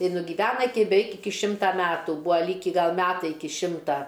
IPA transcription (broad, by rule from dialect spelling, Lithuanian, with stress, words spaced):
ɪ nʊɡʲiːˈʋʲæːnɐ ˈɪkʲɪ bʲɛˈʋʲɛɪk ˈɪkʲɪ ˈʃʲɪmtɐ ˈmʲæːtuː ˈbuːɐ ˈlʲiːkʲɪ ˈɡɐlˠ ˈmʲæːtɐɪ ˈɪkʲɪ ˈʃʲɪmtɐ